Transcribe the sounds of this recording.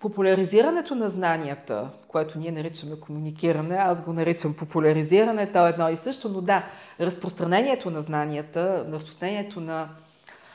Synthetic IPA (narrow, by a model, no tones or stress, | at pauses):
populʲɐɾiziɾənɛt̪onɐznaniət̪ə̰koɛt̪oniɛnɐɾit͡ʃəmɛkomunik̟ʲiɾɐnɛasɡonɐɾit͡ʃəmpopulʲɐɾiziɾənɛt̪ɔɛd̪nɔisɤʃt̪onod̪aɾəspɾost̪ɾɐnɛnʲiɛt̪onɐznaniət̪əɾəspɾo̥st̪ɾɐnɛniɛt̪onɐ